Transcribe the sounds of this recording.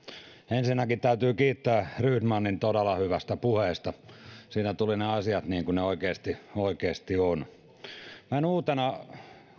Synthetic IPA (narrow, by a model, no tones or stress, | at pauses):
ensinːækit̪æyt̪yːkiːt̪ːæːrydmɑnːint̪odelːˑɑhyʋæst̪æpuheˑːst̪ɑsiːnæt̪ulineɑsiɑt̪niːŋkuneoikeːst̪ioikeːst̪ion | mænuːt̪enɑ